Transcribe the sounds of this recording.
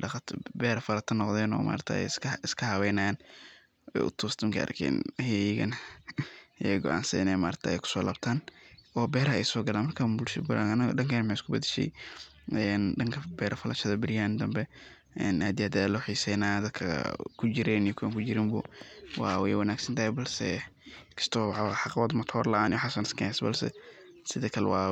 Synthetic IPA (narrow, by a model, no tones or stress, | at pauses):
ɖɑt̪ʰbɛːɾɐfɐlɐt̪ʰɐnːɔqðɛːnɔ̰ːma̰ːɾt̪ʰɐ̰ɛ̰jsʰɪskʰɐhɐwɛːnɐjaːn | ɛ̰jʔʊ̰t̪ʰɔːst̪ɐŋkʰɐʔɐ̰rkʰɛ̰ːnhɛjɪɡɐ̰n | jɡɔ̰ʔa̰ːnsɐnɛjmaːɾt̪ʰɐɛ̰jkʰʊ̥sɔːlaːbt̪ʰaːnɔːbɛːɾɐɛjsɔːɡɐlaːnmɐrkʰabʊlʃbʊla̰nɐnɐɗɐŋkʰɐnmħeːɪskʰʊbɐd̪ɛʃɛ̰j | ɛnɖɐŋkʰɐbɛːɾɐfɐlɐʃɐðɐbɪɾɪjaːnd̪ɐmbɛ | ɛnaːd̪ɪjaːd̪aːlɔwħiːsɛjnaːd̪ɐd̪kʰɐ̰kʰʊd͡ʒɪɾɛnijɔkʰʊwaːŋkʰʊd͡ʒɪɾɪmbʊ̰wɑ̰ːwɛjwɐnaːɡsɐnt̪ʰɐhɛbɐlsɛ̰kʰɐ̥st̪ʰɔːħɑqwɔːd̪mɐt̪ʰɔːrlɐʔaːnɪjwħasɐnɪ̥skɐɛsbɐ̰lsɛ̰sɪðɛkʰɐlɛ̰wɑ̰ː